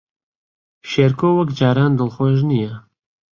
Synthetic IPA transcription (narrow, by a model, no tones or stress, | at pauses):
ʃeɾkowɐkd͡ʒaːɾaːnd̪ɨlxoʒnijɛ